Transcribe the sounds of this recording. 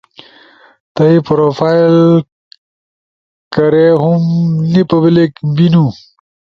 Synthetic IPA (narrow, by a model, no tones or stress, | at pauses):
t̪ɐipɾofajl | kɐɾeɦumnipɐblikbinu